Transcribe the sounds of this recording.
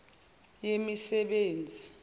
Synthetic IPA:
jemisɛɓeːnd͡zʱi

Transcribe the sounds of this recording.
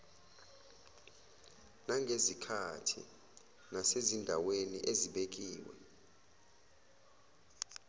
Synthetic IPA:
naŋʱezikʰatʰḭ | nasezindʱawenḭʔeziɓek̬ʼiːwɛ̰

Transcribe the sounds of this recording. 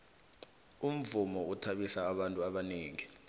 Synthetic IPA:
um̩vumɔutʰaɓisaːɓantʼuaɓaneːŋi

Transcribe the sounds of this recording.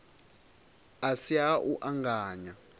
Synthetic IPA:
asiaʔuʔaŋɡaːɲa

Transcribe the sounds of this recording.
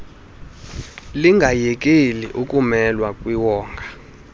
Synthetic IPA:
liŋɡʱajɛk̬ʼeliʔukʼumɛlwakʼwiwɔːŋɡʱa

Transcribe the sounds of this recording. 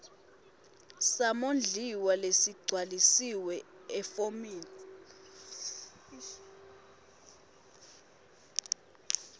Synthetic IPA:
samond͡ɮʱiwalesiɡ͡ǀʱwalisiwɛɛfomiːlɔ

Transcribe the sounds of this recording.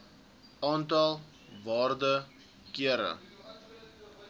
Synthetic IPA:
ɑːntɐlˠ | vɑːrdə | kiəɾə̰

